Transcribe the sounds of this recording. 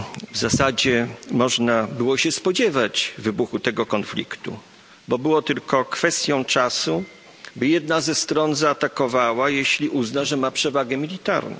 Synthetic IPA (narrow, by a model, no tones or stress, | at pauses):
vzasad͡ʑɛmɔʐnabɘwɔɕɛspɔd͡ʑɛvad͡ʑvɘbuxut̪ɛɡɔkɔnflʲḭkt̪ṵ | bɔbɘwɔt̪ɘlkɔkfɛst̪ʲjɔ̃w̃t͡ʂasu | bɘjɛd̪nazɛst̪ɾɔnzaːt̪akɔvawajeɕlʲiʔuznaʐɛmapʂɛvaɡɛmʲilʲit̪a̰ɾnɔ̰̃